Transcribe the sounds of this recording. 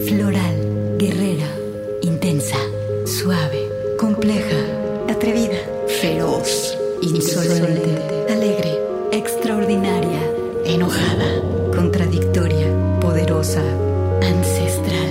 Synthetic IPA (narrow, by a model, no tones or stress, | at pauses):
flo̞ɾal | ɡe̞re̞ɾa | int̪ensa | swaβe | ko̞mple̞xa | at̪ɾe̞βiða | fe̞ɾos | insolsoleeneale̞ɣɾe̞ | ekst̪ɾaoɾðinaɾja | eno̞xaða | ko̞nt̪ɾaðikt̪o̞ɾja | po̞ðe̞ɾo̞sa | ansest̪ɾal